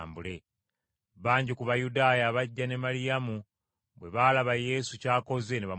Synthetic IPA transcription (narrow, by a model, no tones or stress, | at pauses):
mbule̞ | βaːɲɟikuβajudaːjaβaɟːane̞malijamu | βwe̞βaːlaβaje̞sucaːko̞ze̞neβa